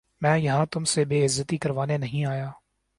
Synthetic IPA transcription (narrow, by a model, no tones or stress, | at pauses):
mɛ̃ːjɐɦãt̪ʊmsebeːɪzːət̪ikɐɾʋaːnenɐɦĩaːjaː